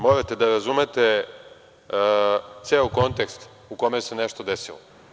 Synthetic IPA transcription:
mo̞ɾat̪e̞d̪aɾazumet̪e | t̪seːoko̞nt̪e̞kst̪ | uko̞mejese̞neʃt̪od̪esilo

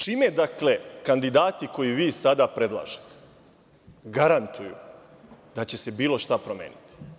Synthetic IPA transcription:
t͡ʃiːmed̪akle̞kand̪id̪aːt̪iko̞jiʋiːsad̪apɾe̞d̪lˠa̰ːʒet̪e̥ | ɡaɾant̪ujṵ | d̪̥at͡ɕe̞se̞biːlo̞ʃt̪apɾomḛːnit̪i̥

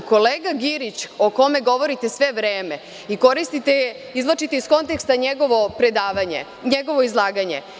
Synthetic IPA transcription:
ko̞leːɡaɡiɾit͡ɕoko̞me̞ɡo̞ʋo̞ɾit̪e̞sʋeʋɾeːme̞ | iko̞ɾist̪it̪e | izlˠat͡ʃit̪eisko̞nt̪ekst̪aɲeɡo̞ʋopɾe̞d̪aːʋaɲḛ | ɲeɡo̞ʋo̞izlˠaːɡaɲe̞̰

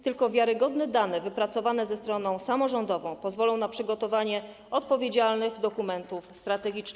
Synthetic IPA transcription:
t̪ɘlkɔvʲjaɾɘɡɔd̪nɛd̪anɛvɘpɾat̪sɔvanɛzɛst̪ɾɔnɔ̃w̃samɔʐɔnd̪ɔvɔ̃w̃pɔzvɔlɔ̃w̃napʂɘɡɔt̪ɔvaɲɛ | ɔt̪̚pɔvʲjed͡ʑalnɘɣd̪ɔkumɛnt̪ufst̪ɾat̪ɛɡʲit͡ʂn

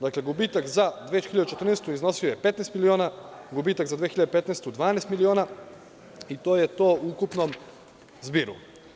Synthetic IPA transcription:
d̪akleɡubit̪akzad̪ʋet͡ɕxiʎad̪ut͡ʃet̪r̩neːst̪uizno̞siojepe̞t̪nest̪milioːnaɡubiːt̪akzad̪ʋeːxiʎad̪epet̪nest̪ud̪ʋaːnest̪milio̞ːna | it̪oːjet̪o̞ːuukupnom | zbiːɾṵ

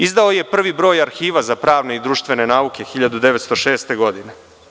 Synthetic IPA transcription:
izd̪aoje̞pr̩ʋibɾo̞ːjaɾxiːʋazapɾaːʋne̞id̪ɾuːʃt̪ʋe̞ne̞naːukʲe̞xiʎad̪ud̪e̞ʋet̪st̪o̞ʃe̞ːst̪e̞ɡo̞d̪ine

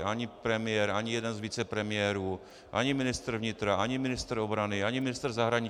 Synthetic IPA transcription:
ʔaɲɪpɾɛmɪjɛɾʔaɲɪjɛdɛnzviːt͡sɛpɾɛmɪjɛːɾuː | ʔa̰ɲɪmɪnɪst̪r̩vɲɪt̪ɾaʔaɲɪmɪnɪst̪ɾ̩o̞bɾanɪaɲɪmɪnɪst̪r̩zaɦɾaɲɪ

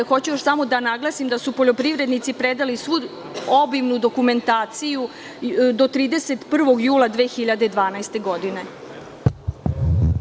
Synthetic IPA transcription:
xo̞t͡ɕujoʃsamo̞d̪anaɡlˠasimd̪asupo̞ʎo̞pɾiʋɾe̞d̪nit̪sipɾed̪alisʋu | o̞biʋnud̪o̞kume̞nt̪aːt̪siju | d̪o̞t̪ɾiːd̪ese̞t̪pr̩ʋo̞ɡjuːlˠad̪ʋe̞ːxiʎad̪e̞d̪ʋaːnajst̪e̞ɡo̞d̪ine̞

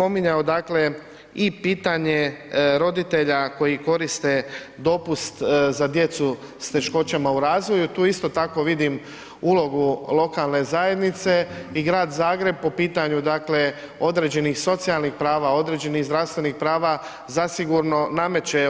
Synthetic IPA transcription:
po̞miɲaod̪akle̞ | ipiːt̪aɲe̞ɾo̞d̪it̪e̞ʎako̞jiko̞ɾist̪e̞ | d̪o̞pust̪zad̪je̞t̪su | st̪e̞ʃko̞t͡ɕamauɾaːzʋo̞jut̪uːist̪o̞t̪ako̞ʋid̪im | ulo̞ɡulˠo̞kalˠne̞zaje̞d̪nit̪se̞iɡɾaːd̪zaːɡɾe̞b̚po̞piːt̪aɲud̪akle̞ | o̞d̪ɾe̞d͡ʑe̞nixso̞t̪sialˠnixpɾaːʋao̞d̪ɾe̞d͡ʑe̞niɣzd̪ɾaʋst̪ʋe̞nixpɾaːʋa | zasiɡuɾno̞name̞t͡ɕe

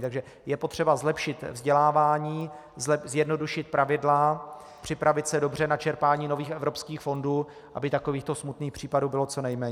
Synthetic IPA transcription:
t̪aɡʒɛ | jɛpot̪r̝̥ɛbazlɛpʃɪt̪vzɟɛlaːvaːɲiː | zɛzjɛdno̞duʃɪt̪̚pɾavɪdla | pr̝̥ɪpɾavɪt̪sɛdo̞br̝ɛnat͡ʃɛɾpaːɲiːno̞viːxɛvɾo̞pskiːxfo̞nduː | ʔa̰bɪt̪akoviːxt̪o̞smut̪niːxpr̝̥iːpaduːbɪlo̞tt͡so̞nɛjmɛːɲ

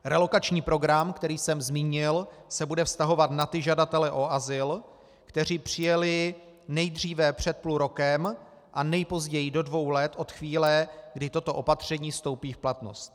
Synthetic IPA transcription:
ɾɛlo̞kat͡ʃɲiːpɾo̞ɡɾamkt̪ɛɾiːsɛmzmiːɲɪlsɛbudɛfst̪aɦo̞vat̪nat̪ɪʒadat̪ɛlɛʔo̞ʔazɪl | kt̪ɛr̝iːpr̝̥ɪjɛlɪ | nɛjd̪r̝iːvɛpr̝̥ɛt̪̚pluɾo̞kɛm | ʔanɛjpo̞zɟɛjɪdo̞dvo̞wlɛt̪ʔo̞t̪xviːlɛɡdɪt̪o̞t̪o̞ʔo̞pat̪r̝̥ɛɲiːfst̪o̞wpiːfplat̪no̞̰st̪̚

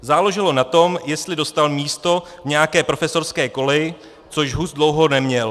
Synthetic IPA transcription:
zaːloʒɪlo̞nat̪o̞mjɛst̪lɪdo̞st̪almiːst̪o̞ | vɲɛjakɛːpɾo̞fɛso̞ɾskɛːko̞lɛjɪ | t͡so̞ʃɦuzdlowɦo̞nɛmɲɛl

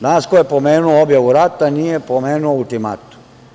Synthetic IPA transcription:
danaskojepomeːnuoobjaʋuɾat̪anijepomeːnuoult̪ima̰t̪u̥

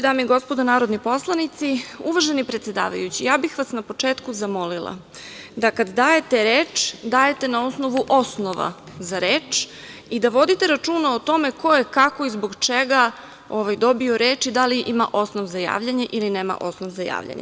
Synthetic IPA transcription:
d̪aːmiɡo̞spo̞d̪onaːɾo̞d̪nipo̞slˠanit̪siuʋaʒenipɾet̪sʲe̞d̪a̰ːʋa̰jut͡ɕijaːbixʋasnapo̞t͡ʂeːt̪kuzamo̞lilˠa̰ | d̪akad̪d̪aːje̞t̪eɾeːt͡ʂd̪aːje̞t̪e̞naosno̞ʋuʔo̞sno̞ʋa̰ | zaɾeːt͡ʃ | id̪aʋo̞d̪it̪eɾat͡ʃuːnaot̪o̞me̞ko̞jekako̞izbo̞ɡt͡ʃeɡa | oʋajd̪o̞bio̞ɾe̞ːt͡ʃid̪aliʔima̰ʔo̞snoʋzaja̰ːʋʎaɲeʔilineːma̰ʔo̞snoʋzaja̰ːʋʎa̰ɲe

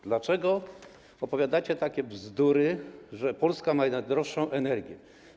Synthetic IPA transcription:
d̪lat͡ʂɛɡɔ | ɔpɔvʲjad̪at͡ɕɛt̪akʲɛvzd̪uɾɘʐɛpɔlskamajɛad̪ɾɔʂːɔ̃w̃ʔɛnɛɾɡʲjɛ

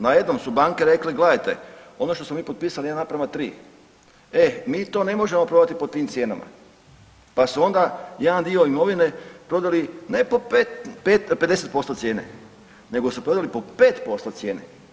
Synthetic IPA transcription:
naje̞d̪no̞msubaːŋkeɾe̞kleɡled̪ajt̪e̞̰o̞no̞ʃt̪o̞smomiːpot̪piːsalianapɾaʋat̪ɾḭː | emiːt̪o̞ne̞mo̞ʒe̞mopɾo̞d̪at̪ipo̞t̪iːmt̪sje̞ːna̰ma̰ | pasuo̞nd̪ajed̪and̪ioimo̞ʋine̞pɾo̞d̪alinepopetpet̪ped̪e̞set̪̚po̞st̪o̞t̪sjeːnḛ | ne̞ɡosupɾo̞d̪alipo̞peːt̪po̞st̪ot̪sje̞ːne

